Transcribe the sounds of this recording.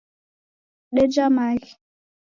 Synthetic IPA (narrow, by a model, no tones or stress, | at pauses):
ɗɛd͡ʒamaɣ